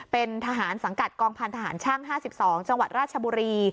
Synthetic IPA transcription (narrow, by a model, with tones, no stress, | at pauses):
pe˧nt̪ʰa˧ɦaː˩˦nsa˩˦ŋka˨˩t̪̚kɔː˧ŋpʰa˧nt̪ʰa˧ɦaː˩˦nt͡ɕʰa˥˩ŋɦaː˥˩si˨˩p̚sɔː˩˦ŋt͡ɕa˧ŋwa˨˩t̪̚ɾaː˥˩t̪̚t͡ɕʰa˧buː˧ɾiː˧